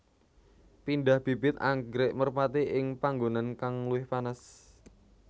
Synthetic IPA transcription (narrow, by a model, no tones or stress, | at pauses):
pindahb̥i̤bɪt̪̚a̰ŋɡɾeʔmərpat̪iʔɪŋpaŋɡonankaŋluɪhpanas